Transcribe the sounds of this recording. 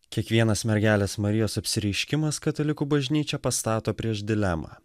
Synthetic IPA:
kʲiɛkʋʲiɛnɐsmʲɛɾʲɡʲæːlʲeːsmɐɾʲɪjoːsɐpʲsʲɪɾʲɛɪʃʲkʲɪmɐskɐt̪ɐlʲɪkuːbɐʒʲnʲiːt͡ʃʲɛpɐst̪ɑːt̪oːpʲɾʲiɛʒd̪ʲɪlʲɛmɑ̰ː

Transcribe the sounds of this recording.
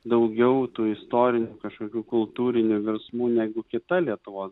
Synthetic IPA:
d̪ɐʊɡʲɛʊt̪uːɪst̪oːɾʲɪnʲuːkɐʃkoːkʲuːkʊlˠt̪uːɾʲɪnʲuːʋʲɛɾsmuːnʲæːɡʊkʲɪt̪ɐlʲiɛt̪ʊʋoːs

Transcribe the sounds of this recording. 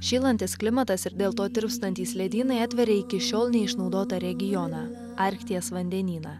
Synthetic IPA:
ʃʲiːlˠɐnʲt̪ʲɪsklʲɪmɐt̪ɐsɪɾd̪ʲeːlˠt̪oːt̪ʲɪɾpst̪ɐnʲt̪ʲiːslʲɛd̪ʲiːnɐɪɐt̪ʲʋʲɛɾʲɛɪkʲɪʃʲoːlˠnʲɛɪʃnɒʊd̪oːt̪ɐɾʲɛɡʲɪjɔnɑ | ɑːˑɾʲkt̪ʲɪjɛsʋɐnʲd̪ʲɛnʲiːnɑː

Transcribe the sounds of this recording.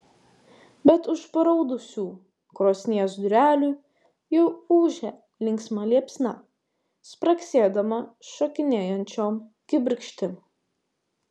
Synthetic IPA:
bʲɛt̪ʊʃpɐɾɔʊd̪ʊsʲuː | kɾoːsʲnʲiɛsd̪ʊɾʲæːlʲuː | jɛʊuːʒʲɛ | lʲɪŋʲksmɐlʲiɛpʲsʲnɑ | spɾɐksʲeːd̪ɐmɐʃɐkʲɪnʲeːjɛnʲt͡ʃʲoːmkʲɪbʲɪɾʲkʃʲt̪ʲɪm

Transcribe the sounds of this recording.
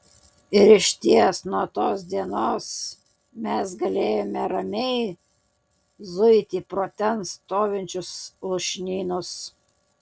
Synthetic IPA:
ɪɾɪʃʲt̪ʲiɛsnuɔt̪oːs̬d̪ʲiɛnoːs | mʲɛsɡɐlʲeːjoːmʲɛɾɐmʲɛɪ | zʊɪt̪ʲipɾoːt̪ʲɛnst̪oːʋʲɪnʲt͡ʃʲʊslˠʊʃʲnʲiːnʊs

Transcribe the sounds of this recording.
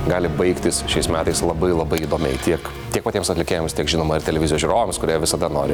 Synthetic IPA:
ɡɑːlʲɪbɐɪkt̪ʲɪsʃʲɛɪsmʲæːt̪ɐɪslˠɐbɐɪlˠɐbɐɪiːd̪oːmʲɛ̰ɪt̪ʲiɛk | t̪ʲiɛk̚pɐt̪ʲiɛmsɐt̪ʲlʲɪkʲeːjɛmst̪ʲiɛkʒʲɪnoːmɐɪɾt̪ʲɛlʲɛʋʲɪzʲɪjoːsʒuːɾoːʋomskʊɾʲiːʋʲɪsɐd̪ɐno̰ːɾʲɪ

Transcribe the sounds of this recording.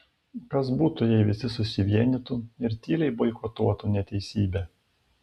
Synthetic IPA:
kɐsbuːt̪ʊjɛɪʋʲɪsʲɪsʊsʲɪʋʲiɛnʲit̪uːɪɾt̪ʲiːlʲɛɪbɔɪkɔt̪uɔt̪unʲɛt̪ʲɛɪsʲiːbʲɛ

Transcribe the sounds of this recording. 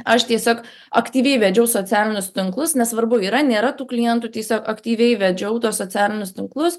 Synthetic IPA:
ɐʃt̪ʲiɛsʲoːk | ɐkt̪ʲiːʋʲɛɪʋʲɛd͡ʒʲɛʊsoːt͡s̪ʲæːlʲɪnʲʊst̪ʲɪŋklˠʊsnʲɛssʋɐrbʊiːɾɐnʲeːɾɐt̪uːklʲɪjɛnt̪uːt̪ʲiɛsʲoːkɐkt̪ʲiːʋʲɛɪʋʲɛd͡ʒʲɛʊt̪uɔsoːt͡s̪ʲæːlʲɪnʲʊst̪ʲɪŋklˠʊs

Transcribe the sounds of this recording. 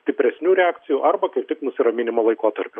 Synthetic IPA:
sʲt̪ʲɪpʲɾʲɛsʲnʲuːɾʲɛɑːkt͡s̪ʲɪjuːʔɐrbɐkɐɪp̚t̪ʲɪknʊsʲɪɾɐmʲɪnʲɪmɐlˠɐɪkoːt̪ɐɾʲpʲʊ

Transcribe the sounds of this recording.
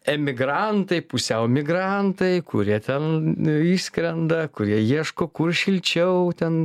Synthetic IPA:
ɛmʲɪɡɾɐnt̪ɐɪpʊsʲɛʊmʲɪɡɾɐnt̪ɐɪkʊɾʲiɛt̪ʲɛniːsʲkɾʲɛnd̪ɐkʊɾʲiɛjiɛʃkoːkʊrʃʲɪlʲt͡ʃʲɛʊt̪ʲɛn

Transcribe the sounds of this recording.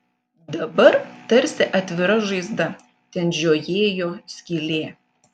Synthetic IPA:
d̪ɐbɐɾt̪ɐɾʲsʲɪʔɐt̪ʲʋʲɪɾɐʒɐɪzd̪ɐ | t̪ʲɛnʒʲoːjeːjoːsʲkʲiːlʲeː

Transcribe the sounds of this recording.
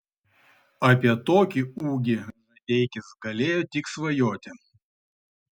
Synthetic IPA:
ɐpʲɛt̪ɔkʲɪuɡʲɪnɐtʲejkʲɪzɡɐlʲejʊt̪ʲiksvɐjɔt̪ʲɛ

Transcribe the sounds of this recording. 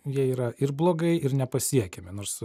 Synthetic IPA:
jiɛiːɾɐɪrblˠoːɡɐɪɪɾnʲɛpɐsʲiɛkʲemʲɪnoːɾs

